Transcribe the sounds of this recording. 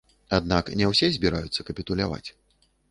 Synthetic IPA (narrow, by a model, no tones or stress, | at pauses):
ad̪̚naknʲɛwsʲɛzʲbʲiɾajut̪sːɐkɐpʲit̪ulʲava̰t͡sʲ